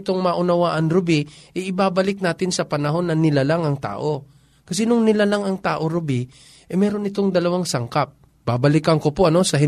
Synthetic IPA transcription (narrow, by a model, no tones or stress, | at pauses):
t̪oŋmaʔʊnɐwaːʔɐnɾʊbɪʔɛjʔɪbaːbɐlɪk̚naːt̪ɪnsɐpɐnɐɦo̞nːɐnɪlalaŋɐŋt̪a̰ːʔo̞ | kɐsɛnʊŋnɪlalaŋɐŋt̪aːʔo̞ɾʊbɪ | ʔɛjmɛːɾo̞nːɪt̪oŋd̪ɐlɐwaŋsɐŋkap̚ | b̥aːbɐlɪkɐŋkopoʔɐno̞sɐɦɪ